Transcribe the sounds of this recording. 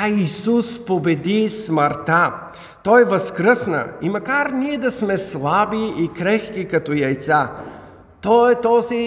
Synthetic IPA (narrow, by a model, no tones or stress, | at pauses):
aisuspobɛd̪isməɾt̪a | t̪ɔjvəskɾəsnə̰imɐkaɾniɛd̪ɐsmɛslˠabiːkɾɛxk̟ikɐt̪ɔjɐjt̪sa | t̪ɔɛt̪ɔzi